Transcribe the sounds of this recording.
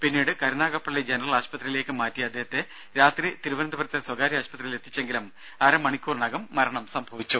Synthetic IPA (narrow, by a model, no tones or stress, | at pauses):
pinːiːɽɨkɐɾunaːɣɐpːɐɭːid͡ʑenɐrɐlaːɕpɐt̪rijile̞ːkːɨmaːtːijɐɐd̪ʱːeɦɐt̪ːe̞ | ɾaːt̪rit̪iɾuʋɐnɐnd̪ɐbɐɾɐt̪ːɐswɐɡaːɾiaːɕpɐt̪rijile̞t̪ːit͡ɕːeŋɡilum | ɐɾɐmɐɳikʲːuːrɳaːɡɐmːɐɾɐɳɐmsɐmbʱɐʋit͡ɕːu